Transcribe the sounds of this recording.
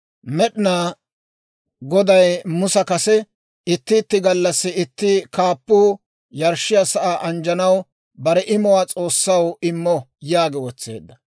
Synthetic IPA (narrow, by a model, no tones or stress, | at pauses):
mɛɗɪnaː | ɡɔd̪ɐjmʊsɐkɐsɛ | ɪt̪ːɪːt̪ːɪɡɐlːɐsːɪɪt̪ːɪkaːpːuː | jɐɾʃːɪjasɐʔaːʔɐnd͡ʒɐnɐw | bɐɾɛʔɪmɔwaːt͡sʼo̞ːsːɐwɪmːɔjaːɡɛwɔt͡sːḛːd̪ːɐ